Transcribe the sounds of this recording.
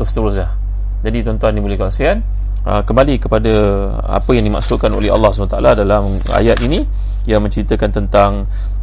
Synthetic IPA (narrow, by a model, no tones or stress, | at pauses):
t̪ust̪uɾus̬lah | d͡ʒadit̪ɔnt̪uɦanːibolɛhkasian | ə̰kəmbalikəpada | a̰pəjaŋdima̰ksukano̰lɛɦa̰lːɑhsə̥anat̪aaladalam | a̰jat̪ini | jamə̃ɲt͡ʃəɾit̪əkant̪ənt̪aŋ